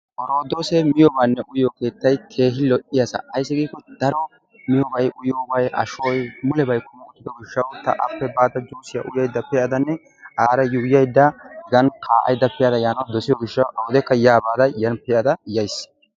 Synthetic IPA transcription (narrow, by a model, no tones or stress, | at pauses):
ʔɔɾoːd̪oːsɛmɪjɔbaːnːɛʔʊjoːke̞ːt̪ːɐjkʰe̞ːɦɪlɔʔɪjasɐ̰ʔɐjs̬ːɪɡiːkːɔd̪ɐɾɔ | mɪjɔbɐjʔʊjoːbɐjʔɐ̰ʃoːjmʊlɛbɐjkːɔmʊʊt̪ːɪd̪ɔɡɪʃːɐwt̪ɐ̰ʔɐ̰pːɛbaːd̪ɐd͡ʒuːsɪja̰ʔʊjɐjd̪ːɐpɛʔɐd̪ɐnːɛ | ʔaːɾɐjʊjɐjd̪ːɐɡɐnkʰaːʔɐ̰jd̪ːɐpɛjɐd̪ɐjaːnɐwd̪ɔsɪjɔɡɪʃːɐwʔɐwɔd̪ɛkːɐjaːbaːd̪ɐjɐnpɛʔɐd̪ɐjɐjs